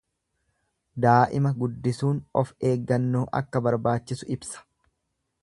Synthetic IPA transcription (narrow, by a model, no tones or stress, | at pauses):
d̪aːʔɪmɐɡʊd̪ːɪsuːnɔfe̞ːɡːɐnːoːʔɐ̰kːɐbɐɾbaːt͡ʃːɪsʊɪbsɐ̥